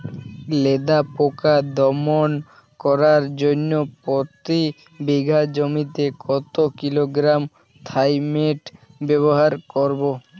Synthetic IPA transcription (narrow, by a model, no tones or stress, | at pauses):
led̪apokad̪ɔmon | kɔɾaɾd͡ʑonːopot̪i | biɡʱad͡ʑomit̪ekʰɔt̪okiloɡɾam | t̪ʰajmeʈ | bɛβoɦaɾkɔɾbo